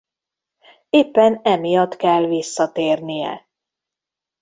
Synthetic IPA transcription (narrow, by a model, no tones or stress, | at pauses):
eːpːɛnɛmijɒt̪kɛlvisːɒt̪eːrnijɛ̰